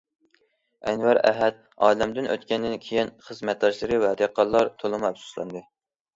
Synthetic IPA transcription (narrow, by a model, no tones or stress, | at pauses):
ɛnvæɾæ̰ɦɛt̪̚ | ɑːlɛmd̪ɪnʔø̰t̪kʲɛnd̪ɪnkʲʰejinχəzmɛt̪̚d̪ɑʃlˠɨɾɨvɛd̪eqʰɑlˠːɑɾt̪ʰolˠɨmɛpsu̥slˠɑ̰nd̪ɨ